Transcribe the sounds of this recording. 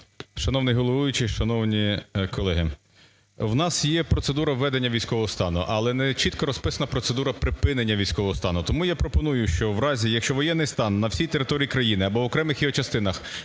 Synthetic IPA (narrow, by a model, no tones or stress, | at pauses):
ʃɐnɔwnɪjɦɔlˠɔʋujʊt͡ʃɪʃɐnɔwnʲikɔlˠɛɦɪ | wnɑsjɛpɾɔt̪sed̪uɾɐʋːɛd̪enʲːɐʋʲijsʲkɔʋɔɦɔst̪ɑnʊ̰ʔɐlˠɛnɛt͡ʃit̪kɔɾɔspɪsɐnɐpɾɔt̪sed̪uɾɐpɾɪpɪnenʲːɐʋʲijsʲkɔʋɔɦɔst̪ɑnʊt̪ɔmujɑpɾɔpɔnujʊʃt͡ʃɔʋɾɑzʲijɐkʃt͡ʃɔʋɔjɛnːɪjst̪ɑnːɐwsʲijt̪eɾɪt̪ɔɾʲiikɾɐjinɪɐbɔʋɔkɾɛmɪxjiɔt͡ʃɐst̪ɪnɐx